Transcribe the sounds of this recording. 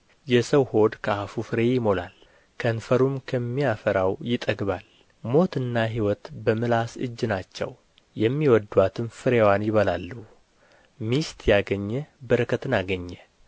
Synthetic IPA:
jɛsəwho̞d̪kʰəafufɨɾe̞jɪmo̞la̰l | kʰənfəɾumkʰəmːijafəɾawjɪt̪ʼəɡβal | mo̞t̪ɨnːaɦiwɔt̪bəmɨlasɨ̰d͡ʒːnat͡ʃːɛ̰w | jɛmːiwɔd̪wat̪ʰɨmfɨɾewanjɪβəlalːu | mist̪ʰjaɡəɲːɛbəɾəkʰət̪ɨnaɡəɲːɛ

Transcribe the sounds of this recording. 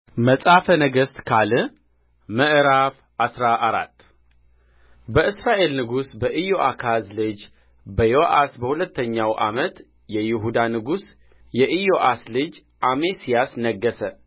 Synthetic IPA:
məsʼafənəɡəst̪kʰalɨ | məʔɾaf | ʔasɾaʔːɾa̰t̪ː | bəʔɨsɾaʔe̞lnɨɡusbəʔijoʔakʰazlɨd͡ʒ | bəjo̞ʔasbəhulət̪ːəɲːawʔa̰mət̪ | jɛjɪɦud̪anɨɡus | jɛʔɨjo̞ʔaslɨd͡ʒ | ʔamesijasnəɡːəsə

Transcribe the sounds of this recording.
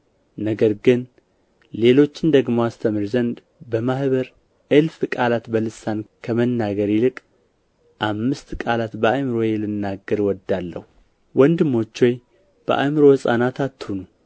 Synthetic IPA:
nəɡəɾɡɨn | le̞lo̞t͡ʃːɪnd̪əɡmoast̪ʰəmɨɾzənd̪ | bəmahβəɾ | ʔɨlfkʼalat̪bəlɨsːankʰəmənːaɡəɾilɨkʼ | ʔamːɨst̪kʼalat̪bəajmɨɾo̞jɛlɨnːaɡəɾwɔd̪ːalːə̰hu | wɔnd̪ɨmːo̞t͡ʃːoj | b̥ə̰ʔajmɨɾo̞hɨsʼa̰nat̪ʰat̪ːhunu

